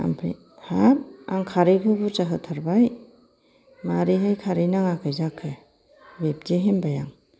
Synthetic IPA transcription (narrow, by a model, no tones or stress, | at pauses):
a̰mpʰḭ | hap̚aŋkʰaɾikʰɯbut͡ʃaɦɯt̪ʰaɾbaj | maɾiɦajkʰaɾijnaŋakʰɯjzakʰɯ | bep̚deɦembajaŋ